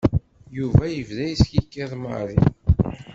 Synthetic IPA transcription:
juvæjəvðæjsçikːæðˤmə̰ɾˤḭ

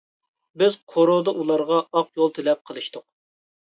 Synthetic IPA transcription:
bɪz̥qʰoɾod̪ɑʔulˠɑɾʁɑɑqjolˠt̪ʰelɛp̚qʰəlˠɨʃt̪ʰʊq

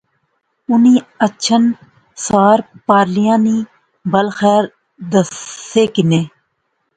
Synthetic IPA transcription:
ʊnĩːətːʃʰən | saːɾpaːɾlijãːniː | bəlxɛːɾ | d̪əseːkɪneː

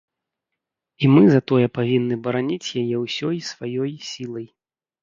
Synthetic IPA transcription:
imɨzɐt̪ɔjɛpavʲinːɨbɐɾanʲit͡sʲjajɛwsʲɔjsvajɔjsʲilˠɐj

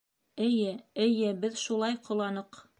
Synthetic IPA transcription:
ɘ̆jɘɘ̆jɘbɘðʃulˠɑjqŏlˠɑnɤq

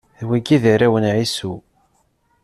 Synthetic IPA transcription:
ðwæɡiðəɾæwənʕisu

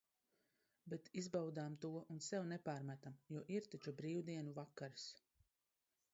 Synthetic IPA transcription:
bet̪izbawd̪aːmt̪uɔʔunsɛwnɛpaːɾmæt̪amjuɔʔiɾt̪at͡ʃubɾiːwd̪iɛnuvakːaɾs

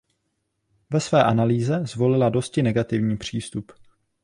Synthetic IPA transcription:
vɛsvɛːʔanaliːzɛzvo̞lɪlado̞scɪnɛɡat̪ɪvɲiːpr̝̥iːst̪up

